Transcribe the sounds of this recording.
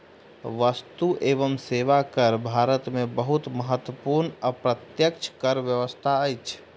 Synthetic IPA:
ʋəst̪uʔeːʋəmseːʋakəɾbʱaːɾət̪mẽbəɦut̪məɦət̪wəpuːɾnəpɾət̪jəkt͡ʃʰkəɾʋjəʋəst̪ʰaəjt͡ʃʰ

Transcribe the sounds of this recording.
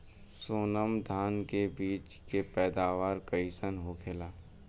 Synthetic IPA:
soːnəmd̪ʱaːnkebiːt͡ʃkepɛːd̪aːʋaːɾkəɪsənɦokʰelaː

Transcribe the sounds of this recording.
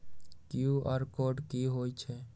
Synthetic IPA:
kiuəɾkoɖkiɦojt͡ʃʰɛ

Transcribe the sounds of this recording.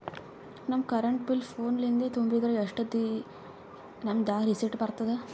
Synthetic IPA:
nɐmːkɐɾɐɳʈbilpʰoːnlind̪et̪umbɾiɡ̪ɐɾɐɐʂʈɐd̪i | nɐmd̪aːɾisiʈbɐɾt̪ɐd̪e

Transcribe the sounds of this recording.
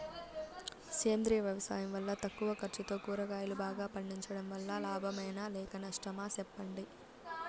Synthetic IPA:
seːmd̪ɾiːʋjɐʋɐsa̰ːjɐmʋɐlːɐt̪ɐkːuʋɐkɐɾt͡ʃit̪o̞ːkuːɾɐkaːjulubaːɡaːpɐɳːiɲt͡ʃɐɽɐmʋɐlːɐlaːbʱɐmɐjnɐlɛːkɐnɐʂʈɐmaːsɛpːɐɳɖi

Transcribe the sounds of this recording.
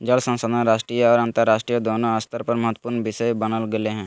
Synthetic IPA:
d͡ʒəlsə̃nsəd̪ə̃nɾaːʃʈɾijəɔːɾãnt̪əɾːaːʃʈɾijəd̪oːnoəst̪ʰəɾpɐɾməɦət̪ːpuɾnʋɪʃəjbənəlɡəleɦɛ̃ː

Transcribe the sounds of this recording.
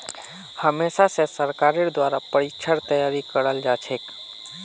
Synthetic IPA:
həmesasesəɾkaɾeɾd̪waɾapəɾit͡ʃʰəɾt̪əjaɾikəɾəld͡ʒat͡ʃʰek

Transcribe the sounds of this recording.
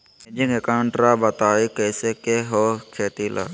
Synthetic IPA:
ed͡ʒɪ̃ŋɡekaʊɳʈɾaːbɐt̪aːikeːsekeɦokʰeːt̪iːlʔa̰ː

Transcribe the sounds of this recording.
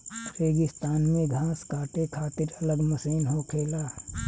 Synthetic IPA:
ɾeːɡɪst̪aːnmẽɡʱãːskaːʈ̪ekʰaːt̪ɪɾɐləɡməsəːnɦokʰeːlaː

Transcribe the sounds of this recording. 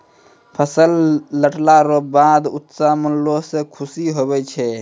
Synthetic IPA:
pʰəsəlːəʈʰlaɾobad̪ut̪samənlosekʰusiɦobɛt͡ʃʰɛ

